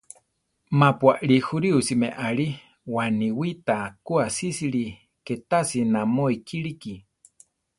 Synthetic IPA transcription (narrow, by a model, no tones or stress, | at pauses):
mapwaʔɺihuɾiusimeʔaɺi | waniwit̪akuasisiɺi | ket̪asinamoikʰiɺiki